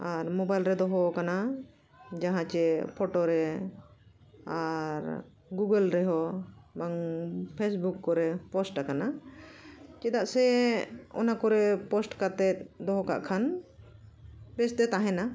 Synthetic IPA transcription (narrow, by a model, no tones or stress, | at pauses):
aɾmɔbajlɾɛd̪ɔɦɔkana | d͡ʒaɦãt͡ʃɛpʰɔʈɔɾɛ | aɾ | ɡuɡəlɾɛɦɔbaŋpʰesbukːɔɾɛpɔsʈakana | t͡ʃɛd̪aʔsɛ | ɔ̰nakɔɾɛpɔsʈkat̪ɛt̪̚d̪ɔɦɔka̰ʔkʰan | bɛsd̪ɛt̪aɦɛna